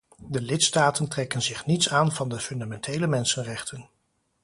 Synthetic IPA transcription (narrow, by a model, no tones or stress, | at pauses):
dəlɪtstaːtəntrɛkənzɪχnitsaːnvɑndəfɵndamɛntʰejləmɛnsənrɛχtʰən